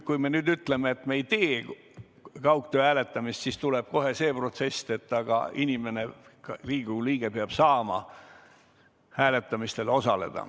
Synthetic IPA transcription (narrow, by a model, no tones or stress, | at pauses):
kujme̞nyːd̪yt̪ːle̞meːt̪ːmeejt̪eː | kɑwkt̪øæːle̞t̪ːˑɑmist̪siːst̪uleb̥̚ko̞ɦe̞se̞ːpro̞t̪se̞st̪e̞t̪ːˑɑɡ̥ɑ̰inʲime̞ne̞riːɡ̥uliːɡ̥e̞peɑb̥sɑːmɑ̰ | hæːle̞t̪ːˑɑmist̪e̞lo̞sɑle̞̰d̪̥ɑ̰